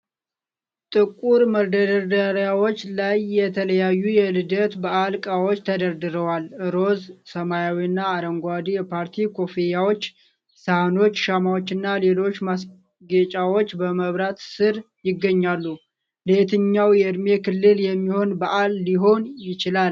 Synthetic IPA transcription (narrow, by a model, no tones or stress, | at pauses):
t̪ʼɨkʼuɾməɾd̪əd̪əd̪aɾjawo̞t͡ʃːlajːɛt̪ʰələjajːujɛlɨd̪ət̪baʔalkʼawot͡ʃːt̪ʰəd̪əɾd̪ɨɾəwalʔɨɾo̞zsəmajawiɨnːaːɾəŋɡʷad̪ijɛpʰaɾt̪ʰikʰo̞fejawo̞t͡ʃː | sahano̞t͡ʃːʃamawot͡ʃːɨnːale̞lo̞t͡ʃːmas | ɡet͡ʃʼawo̞t͡ʃːbəməβɾat̪sɨɾ | jɪɡːəɲːalːu | let̪ʰɨɲːawjɛɨd̪me̞kɨlːɨljɛmːiho̞nbaʔalːiɦo̞njɪt͡ʃɪlal